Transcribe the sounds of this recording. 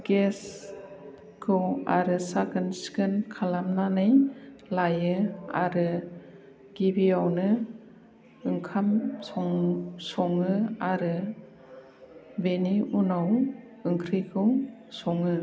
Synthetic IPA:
ɡ̥es | kʰɯwaɾɯsaɡɯnskɯnkʰalamnanɯjlajɯa̰ɾɯ | ɡ̥ibiawnɯ | ɯŋkʰamsɔŋsɔŋɯaɾɯ | beniʔunaw | ɯŋkʰɾikʰɯwsɔŋɯ

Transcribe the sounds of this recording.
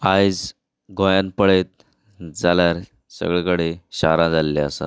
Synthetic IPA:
ajd͡z | ɡʱojanpəɽet̪̚ | d͡zaljaɾ | sə̰ɡɭekəɽeɕa̰ɾãd͡zalleasa̰

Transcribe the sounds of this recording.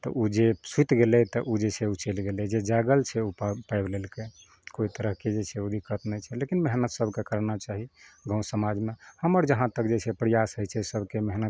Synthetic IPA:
t̪ɔ̰ʔud͡ʒesut̪ɡelɛt̪ɔʔud͡ʒet͡ʃʰɛut͡ʃelɡelɛd͡ʒed͡ʒaɡəlt͡ʃʰɛupapajblelke | koit̪əɾəɦked͡ʒet͡ʃʰɛod̪ʱikət̪nət͡ʃʰɛlekinmeɦnət̪səbʱkekəɾnat͡ʃaɦiɡə̃w̃səmad͡ʒmehəməɾd͡ʒəɦãt̪əkd͡ʒet͡ʃʰɛpɾijasɦəjt͡ʃʰɛsəbʱkemeɦnə

